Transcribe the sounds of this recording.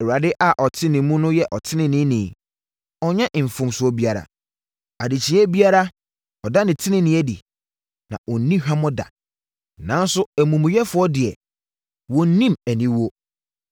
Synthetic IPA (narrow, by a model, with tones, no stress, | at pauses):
ɛ˨wa˨dɪ˦ʔa˨ʔɔ˨tʰɪ̃˦nɪ̃˨mũ˦nʊ̃˦jɛ˦ʔɔ˨tʰɪ˦nɪ̃˨nɪ̃˦nɪ̃˨ | ɔ˦ɲã˦ʔɱ̩˨fʊ̃˨msʊ˨ɔ˦bi˦a˨ɾa̰˨ | a˨di˨t͡ɕʰi˨˦ɛ˦bi˦a˦ɾa˦ | ɔ˨da˦nɪ̃˨tʰɪ˦nɪ̃˦nɪ̃˨˦æ˦dḭ˨ | nã̰˨ʔɔ˨n˦nĩ˦hᶣa˦mɔ̃˦da̰˨ | nã˨˦n˦sʊ˦æ˨mũ˨m˨jɛ˦fʊ˦ɔ˦dɪ˨ɛ˨ | wɔ̃˨n̩˦nĩ˦mæ˨nĩ˦wo˦